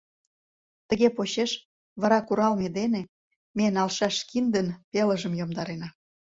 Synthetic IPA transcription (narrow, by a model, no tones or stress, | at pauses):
t̪ə̆ɣepoɕeʃ | βɑɾɑkuɾɑlmed̪ene | menɑlʃɑʃkind̪ənpeləʒəmjomd̪ɑɾenɑ